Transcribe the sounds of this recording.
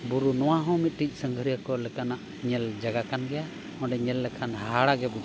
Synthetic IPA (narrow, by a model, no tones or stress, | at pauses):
buɾunɔwaɦɔ̃mit̪̚ˀʈic̚ˀsəŋɡʱəɾijəkɔlɛkanaʔ | ɲɛld͡ʒaɡakanɡɛja | ɔ̃ɖɛɲɛlːɛkʰanhaɽaɡɛbud͡ʒ